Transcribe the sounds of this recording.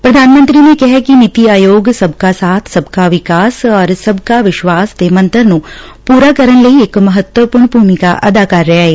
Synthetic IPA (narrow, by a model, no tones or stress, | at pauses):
pɾɐd̪ʱaːnmə̃nt̪ɾinẽkɛɦkinɪt̪iaːjoːɡsɐbkasaːt̪ʰsɐbkaʋɪkaːsɔːɾsɐbkaʋɪʃʋaːst̪emɐ̃nt̪əɾnũ | puːɾakəɾənlɐieːkmɐɦət̪wəpuːɾɳbʱuːmɪkaʔɐ̰d̪aːkaːɾːɛɦaɦeː